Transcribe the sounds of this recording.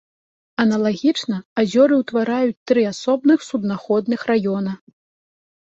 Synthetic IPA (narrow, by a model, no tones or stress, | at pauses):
ɐnɐlˠaɣʲit͡ʂnɐazʲɔɾɨwt̪vaɾajut͡sʲt̪ɾɨasɔbnɨxsud̪naxɔd̪nɨxrajɔnɐ